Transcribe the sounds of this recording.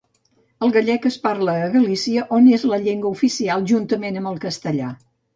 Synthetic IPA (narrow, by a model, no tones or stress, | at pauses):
əlˠɣəʎɛkəspaɾləːɣəlisiəʔonezləʎeŋɡwəufisialˠʒunt̪əmenəmbəlˠkəst̪əʎa